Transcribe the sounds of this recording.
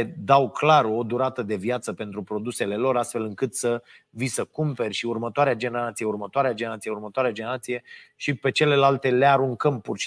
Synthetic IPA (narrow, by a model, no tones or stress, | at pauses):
ed̪awklaro̞d̪uɾat̪əd̪e̞vjat̪səpe̞nt̪ɾupɾo̞d̪use̞le̞lo̞ɾast̪fe̞lɨŋkɨt̪səvisəkumpe̞rʲʃiurmət̪oaɾead͡ʒe̞neɾat̪sijeurmət̪oaɾead͡ʒe̞nɾat̪sijeurmət̪oaɾead͡ʒene̞ɾat̪sije̞ʃipe̞t͡ʃe̞le̞lalt̪e̞le̞aɾuŋkəmpurʃi